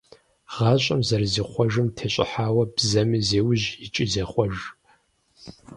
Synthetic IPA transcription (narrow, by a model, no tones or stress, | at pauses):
ʁɑːɕʼɐmzɐrziːχʷɔʒɨmtʰeːɕʼɪ̰ħaːwɐbzɐmizeːwʊʑɪt͡ʃʼizeːχʷɔʒ